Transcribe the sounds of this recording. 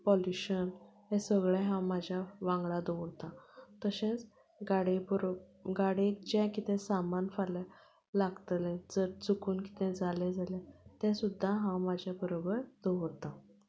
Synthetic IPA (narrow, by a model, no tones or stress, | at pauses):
pɔljuɕənɦẽsəɡɭɛ̃ɦãmad͡ʑʱjaʋãŋɡɭad̪oʋəɾt̪ãt̪əɕɛ̃t͡s | ɡaɽebɾ | ɡaɽekd͡ʑɛ̃kit̪ɛ̃samanfala | laɡt̪lɛ̃d͡zəɾt͡sukuːnki̥t̪ɛ̃d͡zʱalɛd͡zʱalɛ̃t̪ɛ̃sud̪ʱːaɦãwmad͡ʑʱjabəɾobəɾd̪̥əwəɾt̪ã